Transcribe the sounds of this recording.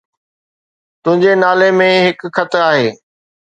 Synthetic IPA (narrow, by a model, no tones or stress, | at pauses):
t̪ʊ̃ɦɪ̃ɲd͡ʑenaːlemẽɦɪkxʰɐt̪ɾaːɦeː